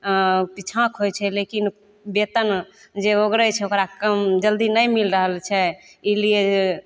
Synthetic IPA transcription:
pit͡ʃʰãkʰɦojt͡ʃʰɛlekin | bet̪ən | d͡ʒeoɡɾət͡ʃʰɛokɾakəmd͡ʒəld̪inəjmilɾəɦəlt͡ʃʰɛilie

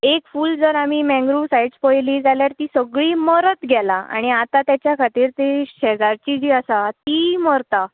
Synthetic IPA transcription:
ekfuːld͡zəɾamiːmɛ̃ŋɡɾusajɖspəjliːd͡zaljaɾt̪iːsəɡɭiːməɾət̪ɡʱɛlaa̰ɽ̃iat̪at̪jat͡ɕjakʰat̪iːɾt̪eɕɛd͡zaɾt͡ɕid͡ʑiːasat̪iːməɾt̪a

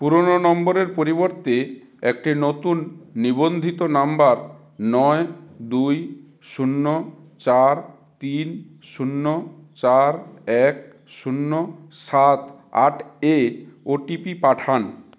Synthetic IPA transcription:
puɾononɔmboɾeɾpoɾiboɾt̪e | ek̚ʈinot̪unːibond̪ʱit̪onambaɾ | nɔed̪uj | ʃunːo | t͡ɕaɾ | t̪in | ʃunːot͡ɕaɾɛk | ʃunːosat̪ | a̰ʈʰeoʈipipaʈʰan

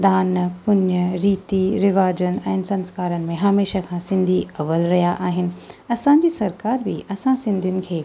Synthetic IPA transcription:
d̪aːnpʊɲəɾiːt̪iɾɪʋaːd͡ʑənɪ̆ɛ̃ːnɪsɐ̃nskaːɾənɪ̆mẽɦaːmeːʃəkʰãsɪ̃nd̪ʱiɐʋəlɾɐɦijaʔaːɦɪnɪ̆ɐsãɲd͡ʑiːsɐɾkaːɾbiʔɐsãsɪ̃nd̪ʱijʊnɪ̆kʰeː

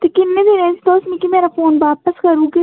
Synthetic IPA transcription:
t̪ekɪnːẽːd̪ɪnẽːsd̪oːsnikimeːɾaːfoːnʋaːpəskəɾuːɡeː

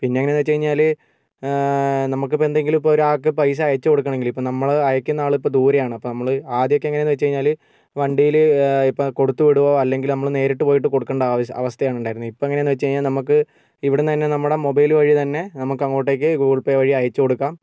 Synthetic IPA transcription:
pinːeŋɐnenːʋet͡ɕːt͡ɕɐɻiɲːaːl | nɐmukːɨpend̪eŋɡilipːooɾuaːkːɨpɐjs̬ɐːjɐt͡ɕːɨko̞ɽukːɐɳme̞ŋɡilipːoːnɐmːɐɭɐjɐkʲːunːɐaːɭipːoːd̪uːɾɐjaːɳɐpːonɐmːɐɭɨaːd̪jokːeɐŋːɐnːnːʋet͡ɕːt͡ɕejɲːaːl | ʋɐɳɖijilɨipːoko̞ɽut̪ːuʋiɽuʋoɐlːe̞ŋɡilnɐmːɐɭne̞ːɾiʈːɨpo̞ːjiʈ̬ːɨko̞ɽukːeːɳɖɐɐ̰ʋɐst̪ʰɐjaːɳuɳɖaːjiɾunːuipːoɐŋːɐnenːɨʋɐt͡ɕːt͡ɕeɻiɲːaːlnɐmukːɨ | iʋiɽent̪ɐnːe̞nɐmːuɽe̞mo̞bɐjlɨʋɐɻit̪ɐnːe̞nɐmukːɐŋːoːʈːe̞ːk̬ʲːɨɡuːɭpeːʋɐɻiɐjɐt͡ɕːɨko̞ɽukːaːm

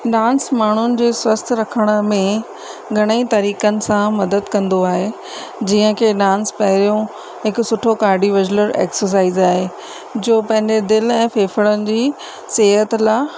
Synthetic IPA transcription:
ɖãːnsmaːɳ̤ʊnɪ̆d͡ʑeːswəst̪ʰɾɐkʰəɽ̃ə̆mẽ | ɡʱɐɽ̃əit̪ɐɾiːkənɪ̆sãmɐd̪əd̪kɐ̃nd̪oaːɦe | d͡ʑiːə̃kʰeːɗãːnspɐɦɪɾijõ | ɦɪkʊsʊʈʰokaːɾɖiʋɐd͡ʑləɾḛːksəɾs̬aːizaːɦe | d͡ʑoːpɐ̃ɦɪ̃ɲd͡ʑed̪ɪlɛ̃ːfeːfəɽənɪ̆d͡ʑiː | seːɦət̪laː

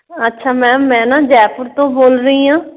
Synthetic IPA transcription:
ətːʃʰaːmɛ̃ːmɛ̃ːnaːd͡ʒɛːpʊɾt̪õːboːlɾəĩːãː

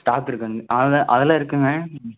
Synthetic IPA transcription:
sʈaːpːɪɾɯkːaʔɐðʔɐðɛlãːɪɾɯkːɯŋɡɐ

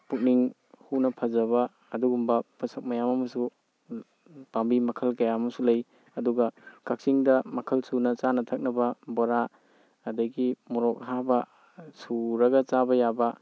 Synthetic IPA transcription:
puk̚niŋ | hunɐpʰɐzɐβɐː | duɡumbɐpasɐk̚mɐjamɐmɐsu | b̥ambimɐkʰɐlkɐjamɐsulɐj | ɐduɡɐkak̚siŋdɐmɐkʰɐlsunɐt͡ʃanɐtʰɐk̚nɐbɐboɾa | ɐdɐjɡimuɾɔk̚ɦabɐ | suɾɐɡɐt͡ʃabɐjabɐ

